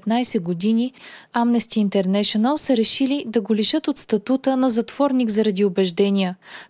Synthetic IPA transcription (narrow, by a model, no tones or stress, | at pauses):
t̪najsɛɡod̪inʲiamnɛst̪iːnt̪ɛɾnɛʃonəlˠsəɾɛʃilid̪ɐɡoliʃɤt̪ot̪st̪ɐt̪ut̪ənɐzɐt̪v̥ɔɾniɡzɐɾɐd̪iobɛʒd̪ɛnijə